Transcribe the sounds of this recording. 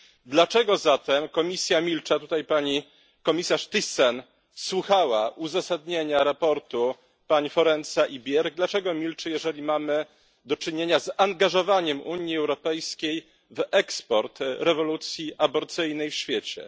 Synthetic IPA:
d̪lat͡ʂɛɡɔzat̪ɛmkɔmʲisʲjamʲilt͡ʂat̪ut̪ajpaɲi | kɔmʲisaʂt̪ɨsɛn | swuxawaʔuzasad̪ɲeɲaɾapɔɾt̪u | paɲifɔɾɛnt̪saʔibʲjɛɾɡ̚d̪lat͡ʂɛɡɔmʲilt͡ʂɘjɛʐɛlʲimamɘ | d̪ɔt͡ʂɘɲeɲazaŋɡaʐɔvaɲɛmʔuɲjiɛwɾɔpɛjskʲej | vɛkspɔɾt̪ɾɛvɔlut̪sʲjiʔabɔɾt̪sɘjnɛjfɕfʲjet͡ɕɛ̰

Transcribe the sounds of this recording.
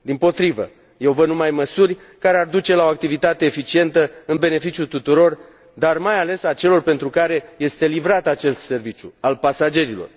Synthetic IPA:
d̪impo̞t̪ɾivə̰ | je̞wvənumajməsurʲ | kaɾe̞ard̪ut͡ʃe̞lao̞ak̚t̪ivit̪at̪e̞ːfit͡ʃie̞nt̪əɨnbe̞ne̞fit͡ʃjut̪ut̪uɾo̞r | d̪armajale̞sat͡ʃe̞lo̞rpe̞nt̪ɾukaɾe̞je̞st̪e̞livɾat̪at͡ʃe̞st̪se̞rvit͡ʃʲjṵalpasad͡ʒe̞ɾilo̞̰r

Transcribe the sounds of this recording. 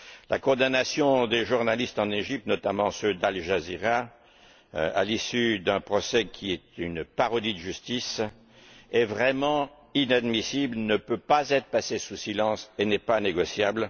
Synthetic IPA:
la̰kɔ̃d̪anasjɔ̃d̪eʒuʁnalist̪ɑ̃neʒip̚t̪nɔt̪amɑ̃sød̪alʒaziʁa | a̰lisyd̪ɛ̃pχɔsɛkʰʲiɛt̪ynpaʁɔd̪id̪əʒyst̪is | ɛvʁɛmɑ̃ | inad̪misiblnəpøpazɛt̪χpasesusilɑ̃senɛpaneɡɔsjabl

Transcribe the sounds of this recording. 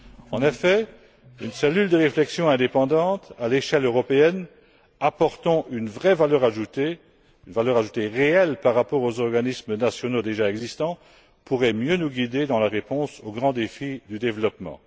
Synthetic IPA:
ɑ̃nefɛ | ynsɛlyld̪əʁeflɛksjɔ̃ɛ̃d̪epɑ̃d̪ɑ̃t̪aleʃɛløʁɔpeɛn | apɔʁt̪ɑ̃ʔynvʁɛvalœʁaʒut̪e | ynvalœʁaʒut̪eʁeɛlpaʁːapɔʁozɔʁɡanismənasjɔnod̪eʒaɛɡzist̪ɑ̃ | puʁɛmjønuɡʲid̪ed̪ɑ̃laʁepɔ̃soɡʁɑ̃d̪efid̪yd̪evlɔpmɑ̰̃

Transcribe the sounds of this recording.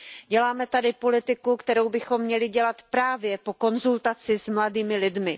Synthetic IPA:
ɟɛlaːmɛt̪adɪpo̞lɪt̪ɪkukt̪ɛɾowbɪxo̞mːɲɛlɪɟɛlat̪pɾaːvjɛpo̞ko̞nzult̪at͡sɪzmladiːmɪlɪdmɪ

